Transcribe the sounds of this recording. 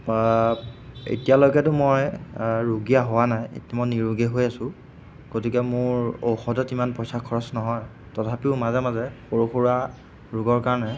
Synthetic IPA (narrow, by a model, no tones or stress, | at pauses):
ḛtijaloɡɛtʊmojɹuɡijaɦʊwanajḛtamɔjniɹuɡeɦojasʊ | ɡ̥otikɛmʊɹowxɔdɔtimanpɹɔsakʰːɔɹɔsnɔɦɔj | tɔtʰapiʊmazɛmazɛxoɹuxoɹa | ɹuɡɔɹkaɹnɛ